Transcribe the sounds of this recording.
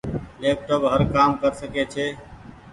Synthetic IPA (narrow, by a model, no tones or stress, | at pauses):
leːp̚ʈoːbɦəɾkaːmkəɾsəkeːt͡ʃʰeː